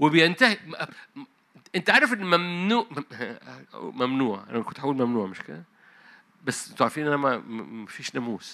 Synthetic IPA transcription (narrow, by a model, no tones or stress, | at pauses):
wɪbjɪnt̪ahi | ʔɪnt̪aʕaɾˤɑfʔɪnːmæmnuːʕ | mæmnuːʕʔa̰nkʊnt̪ħawulmæmnuːʕmɪʃkɪ̰d̪a | basːmt̪oʕɾfiːnʔænæmæmæfiːʃnæmuːs